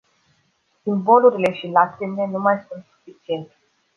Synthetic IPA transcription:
simbo̞luɾile̞ʃilakɾime̞numajsunt̪su̥fit͡ʃie̞nt̪e

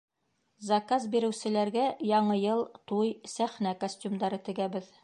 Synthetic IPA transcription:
zɐkazbiɾɘ̆wsɘ̆læɾɡæjɒɴɤjɤlˠt̪ujsæχnækosʲtʲumd̪ɑɾɤt̪ɘ̆ɡæbɘð

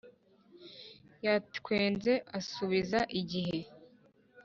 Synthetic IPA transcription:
jatkwe̞ːnze̞ʔasuβizaʔiɟiɦe̞

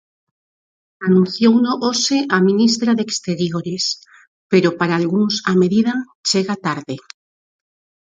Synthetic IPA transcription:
anũn̟θjownoʔoseʔamĩnis̬t̪ɾaðekst̪eɾjoɾes | peɾopaɾaːlɣuŋsameðiða | t͡ʃeɣat̪aɾðe

